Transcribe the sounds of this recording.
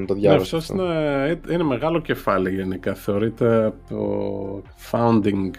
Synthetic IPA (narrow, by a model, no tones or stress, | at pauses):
nt̪oðʝɐneɐft̪osineiineme̞ɣɐlo̞ce̞fɐliʝe̞nikɐθe̞o̞ɾit̪e̞ɐpo̰ | fɐund̪iŋ